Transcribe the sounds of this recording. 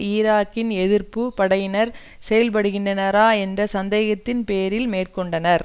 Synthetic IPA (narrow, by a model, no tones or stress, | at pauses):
iːɾaːkːɪnɛðɪrpɯpɐɽɐjɪnɐɾ | sɛjɐlp̬ɐɽɯɣɪndrɐnɐɾaːɛndrɐsɐnd̪eːɣɐt̪ːɪnpeːjɐɾɪlmeːrkɔɳɖɐnɐɾ